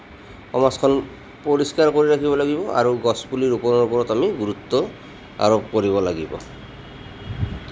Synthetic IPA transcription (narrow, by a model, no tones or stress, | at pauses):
ɔmaskʰɔn | poɹiskaɹkoɹiɾakʰibɔlaɡibɔʔa̰ɹuɡɔspuliɹupɔnɔupɔɹɔtamiɡuɾut̪ːɔ | a̰ɹɔp̚koɹibɔlaɡibɔ̰